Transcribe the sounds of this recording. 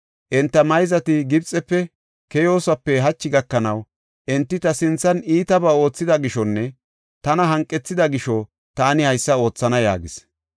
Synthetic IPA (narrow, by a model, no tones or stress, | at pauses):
ʔɛnt̪ːɐmɐjzɐt̪ɪɡɪbt͡sʼːɛpːɛ | kɛjo̞ːsɐpːɛɦɐt͡ʃːɪɡɐkːɐnɐw | ʔɛnt̪ːɪt̪ɐsɪnt͡sːɐniːt̪ɐbɐo̞ːt͡sːɪd̪ɐɡɪʃɔnːɛ | t̪ɐnɐɦɐŋkʼːɛt͡sːɪd̪ɐɡɪʃɔ | t̪aːnɪhɐjsːɐo̞ːt͡sːɐnɐja̰ːɡɪs